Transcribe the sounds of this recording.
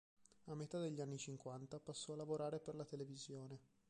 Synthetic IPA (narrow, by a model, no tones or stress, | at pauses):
amːet̪ad̪eʎːanːit͡ʃiŋkwant̪apasːɔalːavoɾaːɾeperlat̪elevizjoːne